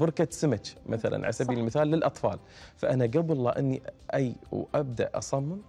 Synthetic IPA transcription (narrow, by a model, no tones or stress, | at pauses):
bʊɾkasɪmat͡ʃmʔaθala̰nʕa̰sabiːllmɪθaːlːɪlʔɑt̪ˤfɑ̰ːl | faʔanaɡabɑlˤːɑ̰ːʔɪnːiʔajwʔab̚d̪a̰ʔʔɑ̰sˤɑmːɪn